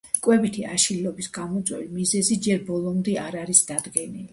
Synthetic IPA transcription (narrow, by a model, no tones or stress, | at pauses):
kʼwɛbit̪ʰia̰ʃillɔbisɡamɔt̪sʼwɛ̰vimizɛzid͡ʒɛɾbɔlˠɔmd̪ɛaɾaɾisd̪̥ad̪ɡɛnili